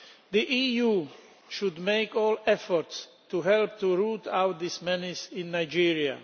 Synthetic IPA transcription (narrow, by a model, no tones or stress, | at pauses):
ðiʔijuː | ʃʊdmeɪkɔːlɛfɔɹts | tuɦɛlp̚t̪uɹuːtaʊt̪̚d̪ismɛnɪsɪ̃nːaɪd͡ʒiɹia̰